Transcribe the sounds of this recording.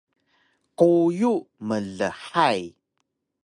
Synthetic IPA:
qujuməɮəħaj

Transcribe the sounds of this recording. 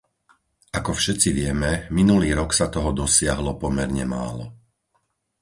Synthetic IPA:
ʔakɔfʃɛt͡siʋɪɛmɛminuliːɾɔksat̪ɔɦɔd̪ɔsɪaɦlɔpɔmɛɾɲɛma̰ːlɔ̰

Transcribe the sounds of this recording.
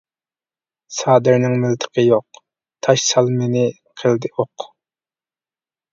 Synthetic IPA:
sɑːd̪ɪɾnɪŋmɪlt̪ʰə̥qʰəjoq̚ | t̪ʰɑʃsɑlˠmenɪ | qʰəlˠd̪ɪoq

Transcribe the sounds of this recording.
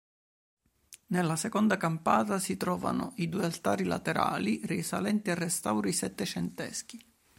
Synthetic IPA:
nelːasekɔnd̪akampaːt̪asit̪ɾɔːva̰no̰ʔid̪uːjalt̪aːɾila̰t̪eɾa̰ːlirisalɛnt̪iarːɛst̪awɾisɛt̪ːet͡ʃɛnt̪ɛ̰sk̟i

